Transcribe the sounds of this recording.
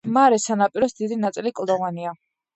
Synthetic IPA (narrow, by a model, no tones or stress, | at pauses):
maɾɛsanapʼiɾɔsd̪id̪inat̪sʼilikʼlˠd̪ɔvania